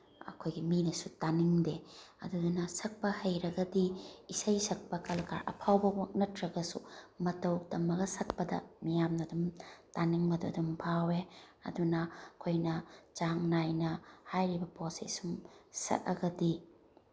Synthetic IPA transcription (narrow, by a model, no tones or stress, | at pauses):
ɐ̰kʰojɡiminɐsutaniŋdeɐ̰dudunɐsɐk̚pɐhɐjɾɐɡɐdiisɐjsɐk̚pɐkɐlka̰ɾɐ̰pʰawbɐwnɐtʰɾɐɡɐsumɐtɐwtɐmːɐɡɐsɐk̚pɐdɐ̰mijamnɐdumtaniŋmɐdudumpʰaweɐ̰dunɐkʰojnɐt͡ʃaŋnajnɐhajɾibɐposḛsumsɐ̰ʔɐ̰ɡɐdi